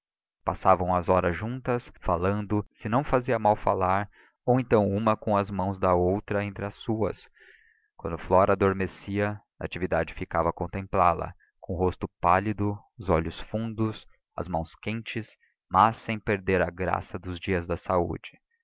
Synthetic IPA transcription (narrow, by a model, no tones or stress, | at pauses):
pasavɐ̃w̃ɐzɔɾɐzʒũnt̪ɐsfalɐ̃nd̪ʊsɪnɐ̃w̃faziɐmawfalaɾ | owẽnt̪ɐ̃w̃ũmɐkõw̃ɐzmɐ̃w̃zd̪ɐowt̪ɾɐẽnt̪ɾɪɐsuɐ̰s | kwɐ̃nd̪ʊflɔɾɐːd̪oɾmesiɐ | ɐat͡ʃivid̪ad͡ʒɪfikavɐkõnt̪ẽmplalɐ̰ | kõɦost̪ʊpalid̪ʊ | ʊzɔʎʊsfũnd̪ʊs | ɐ̰zmɐ̃w̃skẽnt͡ʃɪs | mɐsːẽj̃peɾd̪eɾɐɡɾa̰sɐd̪ʊzd͡ʒiɐzd̪ɐsaṵd͡ʒɪ̥